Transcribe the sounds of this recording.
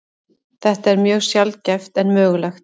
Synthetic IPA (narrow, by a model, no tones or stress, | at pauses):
θɛht̪aɛɾmjœːɣsjalcɛft̪ɛnmœːɣlɛxt̪̚